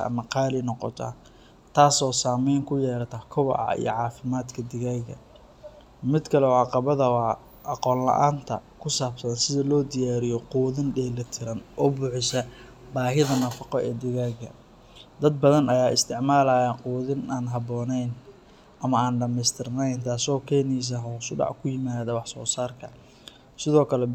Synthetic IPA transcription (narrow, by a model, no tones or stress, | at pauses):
ɐ̰ɐ̰mɐqɑːlɪnɔqɔ̰t̪ʰɐ̰ | t̪ʰaːsɔːsaːmɛjŋkʰʊjɛːɾɐt̪ʰɐkʰɔβɐ̰ʔɐ̰ḭjɔ̰ʕɑːfɪmaːd̪kʰɐd̪ɪɣaːɣɐ̰ | mɪd̪kʰɐlɛɔːʕɑqɑβɐðɐwɑː | ʔɑqɔːnlɐ̰ʔa̰ːnt̪ʰɐkʰʊsaːbsɐnsɪðɐlɔːd̪ɪjaːɾɪjɔquːðɪnɖɛːlɐt̪ʰɪɾɐnʔɔːbʊħɪsɐ | baːɦɪðɐnɐfɑqɔʔɛːd̪ɪɣaːɣɐ̰ | d̪ɐd̪̚bɐðɐnɐjaːɪst̪ʰɪʕmaːlaːjaːquːðɪnaːnɦɑbɔːnɛjn | ʔɐmɐaːnɖɐmɛjst̪ʰɪrnɛjnt̪ʰaːsɔːkʰɛːnijs̬ɐɦɔsʊɖɑ̰ʕkʰʊjɪmaːðɐwɑħsɔ̰ːsaːrkʰɐ | sɪðɔːkʰɐlɛ